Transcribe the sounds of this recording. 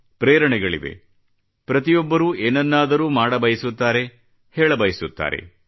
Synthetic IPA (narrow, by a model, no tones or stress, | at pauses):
pɾeːɾɐɳɛɡɐɭḭʋe̞̰ | pɾɐt̪ijɔbːɐɾuːʔeːnɐnːaːd̪ɐɾuːmaːɽɐbɐjisut̪ːaːɾe̞ | hɛːɭɐbɐjisut̪ːa̰ːɾḛ